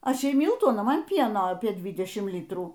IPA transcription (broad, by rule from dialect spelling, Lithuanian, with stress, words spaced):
ˈɐʃ ˈjɛɪ ˈmʲɪlˠtuː ɐˈnɐ ˈmɐn ˈpʲiɛnoː ˈɑːpʲiɛ ˈdʲʋʲɪdʲɛʃʲɪm ˈlʲiːtruː